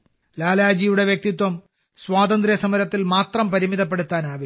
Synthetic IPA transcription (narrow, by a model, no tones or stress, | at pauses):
laːlaːd͡ʑiːjuɽe̞ʋjɐk̚t̪it̪wɐm | swaːt̪ɐnd̪rjɐsɐmɐɾɐt̪ːilmaːt̪rɐmpɐɾimiðɐp̬ːe̞ɽut̪ːaːnaːʋi